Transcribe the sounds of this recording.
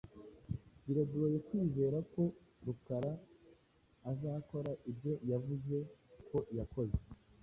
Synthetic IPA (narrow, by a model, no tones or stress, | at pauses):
biɾaduɾojekwiːze̞ːɾako̞ɾukaɾaː | zaːko̞ɾaʔibɟo̞javuze̞kʰo̞jako̞ze